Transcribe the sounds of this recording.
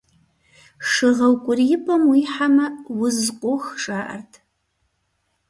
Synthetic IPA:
ʂɨʁɐwkʷʼʊriɪpʼɐmwiːħamɐwʊzqʷʼoxʂʼaːʔɐ̰rtʰ

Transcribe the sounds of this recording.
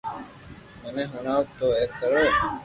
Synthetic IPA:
məneɦuɳaːt̪oːeːkːəɾoː

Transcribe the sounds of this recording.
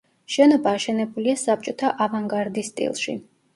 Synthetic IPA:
ʃɛnɔbaːʃɛnɛbuliasap̚t͡ʃʼɔt̪ʰaʔavaŋɡaɾd̪ist̪ʼḭlˠʃḭ

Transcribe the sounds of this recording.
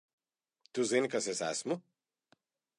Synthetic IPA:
t̪uzenkasɛsa̰smu

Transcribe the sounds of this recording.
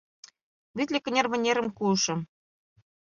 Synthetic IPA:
βit̪ʲlʲĕkɘ̆nʲerβɘ̆nʲeɾə̆mkuʃɤ̆

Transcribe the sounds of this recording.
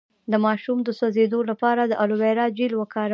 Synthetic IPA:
d̪əmɑʃumd̪əsozed̪olapɑɾad̪əʔaluweɾɑd͡ʒilwəkɑɾ

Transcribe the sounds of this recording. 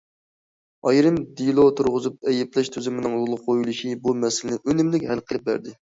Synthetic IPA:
ɑjɾɨmd̪ilˠot̪ʰuɾʁʊzup̚ɛjɛplɛʃt̪ʰøzɪmɪnɪŋlˠʊlˠʊqqʰːojulˠuʃibumɛsɪlɪnɪʔønɪmlɪkʲhælqʰəlˠɪp̚bæ̰ɾd̪ɪ

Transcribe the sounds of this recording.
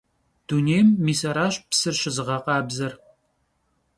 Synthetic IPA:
d̥uneːjmːiːsɐɾaːɕʼpsɨrɕɪzɨʁɐqɑːbzɐr

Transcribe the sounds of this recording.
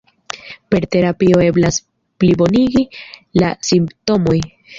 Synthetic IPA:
pe̞ɾte̞ɾapio̞e̞blas | plibo̞niɡilasimpto̞mo̞j

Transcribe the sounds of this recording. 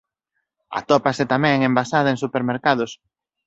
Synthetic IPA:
a̰t̪ɔpasɪt̪amɛ̃ŋembasað̞ɐeŋsupeɾmeɾkað̞ʊs

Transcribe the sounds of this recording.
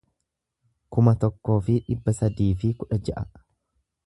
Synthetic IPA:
kʊmɐt̪ɔkːo̞ːfɪᶑɪbːɐsɐd̪iːfɪkʊᶑɐd͡ʒɐʔɐ

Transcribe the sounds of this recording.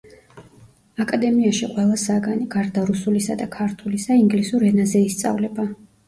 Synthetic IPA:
akʼad̪ɛmiaʃiqʼwɛlˠasaɡaniɡaɾd̪aɾusulisad̪akʰaɾt̪ʰulisaiŋɡlisuɾɛnazɛist̪sʼa̰vlɛba

